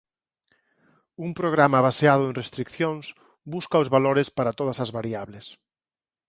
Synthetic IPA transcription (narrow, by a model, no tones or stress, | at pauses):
umpɾoɣ̞ɾamɐβaseað̞ʊẽnrest̪ɾikθjõŋs | buskaozβaloɾɪspaɾat̪oð̞ɐsɐzβaɾiaβles